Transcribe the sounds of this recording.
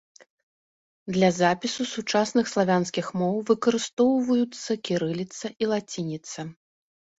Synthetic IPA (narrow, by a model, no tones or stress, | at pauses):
d̪lʲɐzapʲisusut͡ʂasnɨxslˠavʲanskʲixmɔwvɨkɐɾɨst̪ɔwvɐjut̪sːɐkʲiɾɨlʲit̪sɐʔilˠat͡sʲinʲit̪sɐ